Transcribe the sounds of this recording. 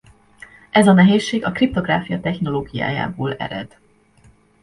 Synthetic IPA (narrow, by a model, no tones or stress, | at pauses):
ʔɛzɒnɛɦeːʃːeːɡɒkrip̚t̪o̞ɡraːfijɒt̪ɛxno̞loːɡija̰ːja̰ːboːlɛ̰ɾɛ̰d̪̥